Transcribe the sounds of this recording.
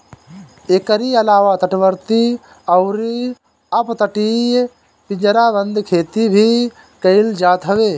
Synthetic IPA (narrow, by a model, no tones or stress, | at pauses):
eːkəɾiəlaːʋat̪əʈʋəɾt̪i | əʊɾi | əpt̪əʈiːj | pɪ̃d͡ʒəɾabə̃nd̪ʱkʰeːt̪ibʱi | kəɪld͡ʒaːt̪ɦəʋeː